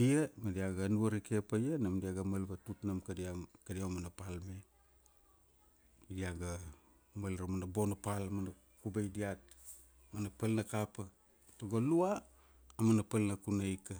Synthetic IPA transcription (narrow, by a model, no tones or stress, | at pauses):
iemadiaɡanuaɾikepajanamdiaɡamalbatutnamkadiakadiamanapalme | diaɡa | malɾamanabonapalamana | kubajdiat̚ | manapalnakapa | toɡoluaː | manapalnakunajka